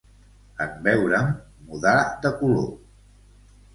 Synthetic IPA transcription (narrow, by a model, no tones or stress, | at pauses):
əmbɛwɾəmː | uðad̪əkulo